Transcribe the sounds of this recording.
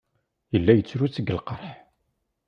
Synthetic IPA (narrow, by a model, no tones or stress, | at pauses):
jəlːæjət͡sːɾut͡sːəɡəlqəɾˤħ